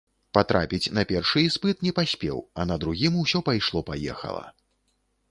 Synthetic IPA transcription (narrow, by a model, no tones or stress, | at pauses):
pat̪ɾa̰pʲit͡sʲnɐpʲɛrʂɨspɨt̪nʲɛpasʲpʲɛ̰wɐnɐd̪ɾuɣʲimuwsʲɔpajʂlˠɔpajɛ̰xɐ̰lˠɐ̰